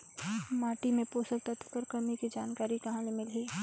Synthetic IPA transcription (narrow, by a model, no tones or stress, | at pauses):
maːʈimẽpoːsək̚t̪ɐt̪ʰkəɾkɐmikid͡ʒaːnkaːɾikɐɦãlemɪlɦiː